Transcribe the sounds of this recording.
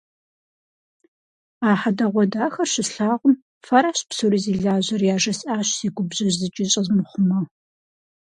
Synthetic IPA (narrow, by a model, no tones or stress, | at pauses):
aːħadɐʁʷɔdaːxɐrɕɪsɬaːʁʷʊm | fɐɾaːɕpsoɾiziːɮaːʑɐrjaːʒɐsʼaːɕsiːɡʷʊbʑɐʒzɨt͡ʃʼɪɕʼɐzmɨχʷʊmɐ